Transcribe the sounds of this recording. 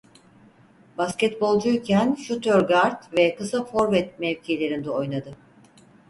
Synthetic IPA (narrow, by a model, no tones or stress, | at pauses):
bascʲɛt̪̚bo̞lˠd͡ʒujcʰænʃut̪ʰøɾɡaɾt̪vɛkɯsafo̞ɾvɛt̪mɛvcʰielʲe̞ɾind̪ɛo̞jnad̪ɯ